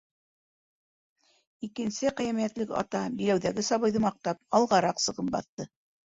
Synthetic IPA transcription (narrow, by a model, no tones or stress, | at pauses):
ikɘ̆nsɘqæ̆jæmijæt̪lɘkɑ̰t̪ɑbilæwðæɡɘsɑβɤ̆jðɤmɑq̚t̪ɑp̚ɑlˠʁɑɾɑqsɤ̆ʁɤpbɑ̰θt̪ɤ